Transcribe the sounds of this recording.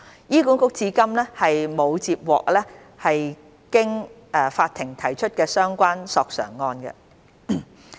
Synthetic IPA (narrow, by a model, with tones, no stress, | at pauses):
jiː˥kuː˨˥ŋkʊ˥k̚t͡siː˨˧kɐ˥mlɛː˥hɐ˨jmo˨˧wt͡siː˧p̚wɔ̰ː˨k̚lɛ˥ | hɐ˨j | kɪ˥ŋ | ʔɛː˨˩faː˧t̪ʰːɪ˨˩ŋt̪ʰɐ˨˩jt͡ʃʰɵ˥t̚kɛː˧sœː˥ŋkʷaː˥nsɔː˨˧k̚sœ̰ː˨˩ŋːɔː˧nɡɛ̰˧